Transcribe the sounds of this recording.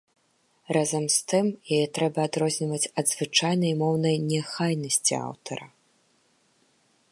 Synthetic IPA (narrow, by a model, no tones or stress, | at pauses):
razɐmst̪ɨmjajɛt̪ɾɛbɐːd̪ɾɔzʲnʲivɐt͡sʲɐd̪zvɨt͡ʂajn̪ɐjmɔwnɐjnʲɛxajnɐsʲt͡sʲḭa̰wt̪ʰɐɾɐ̰